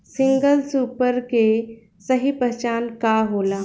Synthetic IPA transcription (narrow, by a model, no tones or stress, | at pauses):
sɪ̃ŋɡəlsuːpəɾke | səɦipɾət͡ʃaːnkaɦoːlaː